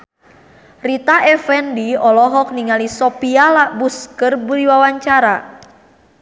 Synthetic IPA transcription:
rit̪aʔɛfɛndiɔlɔɦɔk̚niŋalisɔpialabuskərbuɾiwawaɲt͡ʃaɾa

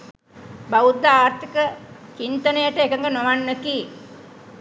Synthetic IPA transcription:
baʋud̪ːaaːɾt̪ʰikət͡ʃint̪ənəjəʈəekəŋɡənoʋanːeki

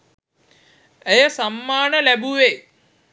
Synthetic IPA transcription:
ejɐsɐmːaːɳɐlebuʋe

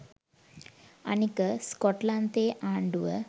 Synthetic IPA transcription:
ɐ̰nikəskoʈlant̪eːʔaːɳɖuʋə̰

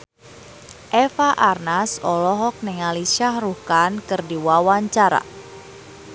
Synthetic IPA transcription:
ʔɛfaʔarnasɔlɔɦɔk̚nɛŋaliʃahruhkankɨrdiwawaɲt͡ʃaɾa̰

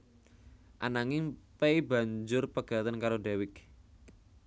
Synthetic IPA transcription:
ʔanaŋɪŋpeiba̤ɲd͡ʒʊrpəɡ̥a̤t̪ənkaɾoɖɛwɪk

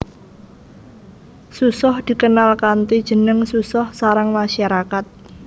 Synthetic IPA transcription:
susɔhd̪̥i̤kənalkant̪id̥ʒ̥ə̤nəŋsusɔhsaɾaŋmaʃaɾakat̪̚

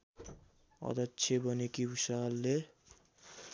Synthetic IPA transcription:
ʌ̰d̪ʌtːt͡sʰebʌnikibusalːe

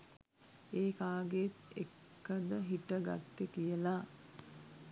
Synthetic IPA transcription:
eːkaːɡet̪ekːəd̪əɦiʈəɡa̰t̪ːekijəla

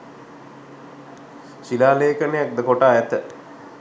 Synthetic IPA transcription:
ʃilaːleːkənejak̚d̪əkoʈaːɛt̪ə

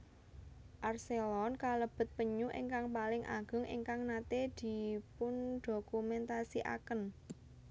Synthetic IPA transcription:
ʔarselɔnkaləb̥ə̤t̪̚pəɲuʔɪŋkaŋpalɪŋʔa̰ɡ̥ʊ̤ŋʔɪ̰ŋkaŋnat̪ed̪̥i̤pʊnd̪̥o̤kumɛnt̪asiʔa̰kən

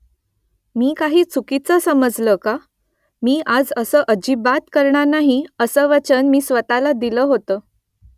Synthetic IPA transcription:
miːkaɦiːt͡sʰukit͡səsəməd͡zləka | miːʔad͡zəsəʔəd͡ʑiːbat̪kəɾɳanaɦiəsəʋət͡ɕənmiːsʋət̪alad̪iləːɦot̪əː

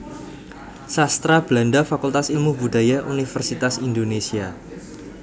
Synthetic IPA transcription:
sast̪ɾab̥landafakult̪asilmubuda̤jaʔunifərsit̪asindonesia

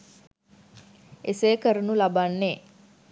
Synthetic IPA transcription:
eseːkəɾənulabanːeː

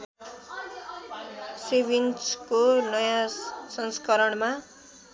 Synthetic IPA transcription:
sebinskonʌjãsʌnskʌɾʌɳma

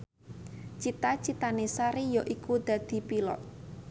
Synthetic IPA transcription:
t͡ʃit̪at͡ʃit̪anesaɾijɔʔikud̪̥a̤d̪̥i̤pilɔ̰t̪̚

